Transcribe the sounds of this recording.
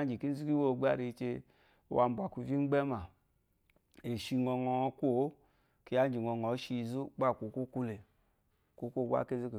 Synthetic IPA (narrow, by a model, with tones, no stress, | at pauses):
nd͡ʒi˨ki˦n̩˦zu˦ki˦wo˦˨ɡ͡ba̰˦ɾi˧t͡ʃe˧˨ | wa˨˧m˨bu˨a˨ku˧vi˦ŋ͡mɡ͡bɛ˦ma˨ | e˨ʃi˧ŋɔ˧ŋɔ˧kʷo˦˨˦ | ki˧ja˦n˦d͡ʒi˨ŋɔ˧ŋɔ˨˦ʃi˧zu˦ɡ͡ba˦˨ku˨˦ku˦ku˦le˨ | ku˦ko˦˨ɡa̰˦˨ke˦zu˦ke˨